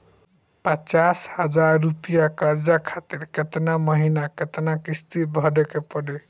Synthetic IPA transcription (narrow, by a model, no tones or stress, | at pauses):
pət͡ʃashəd͡ʒaɾːupijakaɾd͡ʒakʰat̪iɾket̪naməɦinaket̪nakist̪it̪̚bʱəɽekepəɽe